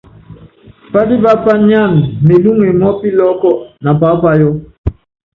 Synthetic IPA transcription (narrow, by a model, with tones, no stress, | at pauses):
pa˦di˦ba˦pa˦ɲa˦˨nme˨lu˦ŋe˨mɔ˦pi˦lɔ˦kɔ˦ʔna˨pa˦pa˦jɔ˦